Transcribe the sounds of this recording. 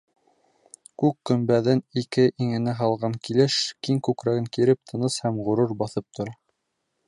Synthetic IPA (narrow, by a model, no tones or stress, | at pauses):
kʉkːɵ̆mbæðɘnikɘʔiŋɘ̆næɦɑlˠʁɑŋkilɘʃkiŋkʉkɾæɡɘŋkiɾɘp̚t̪ʰɤ̆nɤshæmʁŭɾoɾbɑθɤp̚t̪ʰŏɾɑ